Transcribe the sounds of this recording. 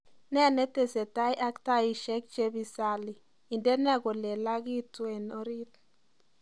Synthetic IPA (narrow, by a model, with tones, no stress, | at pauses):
nɛ˦a˨ne˦te˨se˨ta˦jʔa˦kta˦ji˨ʃɛ˦k̚t͡ʃe˦bi˨sa˨li˨ | i˨nde˦nɛ˦˨ɡo˨le˨la˦ɡi˦tu˦e˨no˦ɾi˦t̪